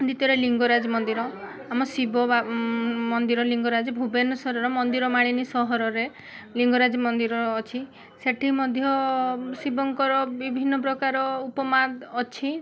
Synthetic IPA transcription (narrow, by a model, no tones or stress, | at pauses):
d̪it̪ɔɾeliŋɡɔɾad͡ʒɔmɔnd̪iɾɔ | amɔsibɔ | mɔnd̪iɾɔliŋɡɔɾad͡ʒɔbʱubenɔsɔɾɔɾɔmɔnd̪iɾɔmaɽ̃inisɔɦɔɾɔɾe | liŋɡɔɾad͡ʒɔmɔnd̪iɾɔːt͡ʃʰi | seʈʰimɔd̪ʱjɔsibɔŋkɔɾɔbibʱinːɔp̬ɾɔkaɾɔupɔmad̪ːt͡ʃʰi